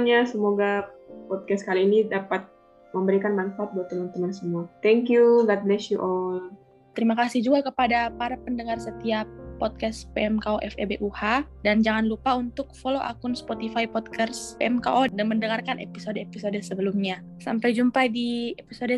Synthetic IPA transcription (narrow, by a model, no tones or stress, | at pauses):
ɲasəmoɡapɔt̪̚kɛskaliːnidapat̪̚ | məmbəɾikanmanfaat̪̚baat̪ənənt̪ənansəmuat̪ɛŋkjuɡat̪̚lɛʃuʔɔl | t̪əɾimakasihd͡ʒuɡakəpadapaɾapəndəŋarsət̪iapːɔt̪̚kɛspeʔɛmkaoʔɛ̰fḛbeʔuha | dand͡ʒaŋanlupaunt̪ʊk̚foloʔa̰kʊnspot̪ifaipɔd̪̚kʰaspeʔɛmkaʔodaŋməndəŋarkanʔḛpisodeepisodəsəbəlumɲa | sampajd͡ʒumpajdiepisodə